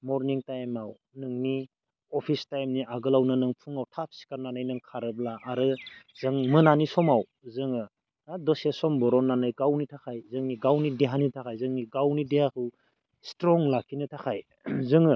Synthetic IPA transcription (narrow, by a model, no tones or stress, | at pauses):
mɔɾniŋtajmaw | nɯŋni | ɔpʰistajmniʔaɡɯlawnɯnɯŋpʰuŋawtʰap̚si̥kaɾnanɯjnɯŋkʰaɾɯblaʔːɾɯzɯŋmɯnanisɔmaw | zɯŋɯ | nadɔsesɔmbɔɾɔnːanɯjɡawnitʰakʰajzɯŋniɡawnideɦanitʰakʰajzɯŋniɡawnideɦakʰɯw | stɾɔŋlakʰinɯtʰakʰaj | zɯŋɯ